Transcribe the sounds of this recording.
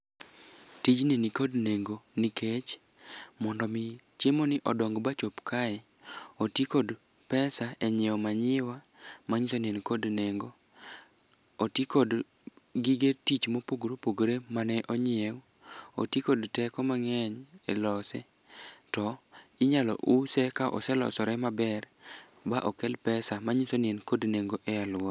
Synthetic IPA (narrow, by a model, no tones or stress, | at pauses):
tid͡ʒnenikodneŋɡonikʰet͡ʃ | mɔndɔmɪ | t͡ʃemonɪʔɔdɔŋɡbat͡ʃopkaɛ | otjekod | pɛsaeɲɛwɔmaɲɪwa | maɲisonenkodneŋɡo | otikod | ɡiɡetit͡ʃmopoɡɾopoɡɾemanɛʔoɲɪew | o̰tjekodtɛkɔmaŋɛɲelɔsɛ̰ | tɔɪɲalɔ̰ʔusɛkaʔɔ̰sɛlɔ̰sɔɾɛmabɛr | baʔɔkɛlpɛsamaɲisonɪenkodneŋɡoʔɛjalʊɔ